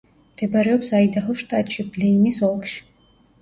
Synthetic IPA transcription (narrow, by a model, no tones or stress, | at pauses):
md̪̥ɛbaɾɛɔpsaid̪aɦɔʃt̪ʼat̪ʼʃiblɛinisɔlˠkʃi̥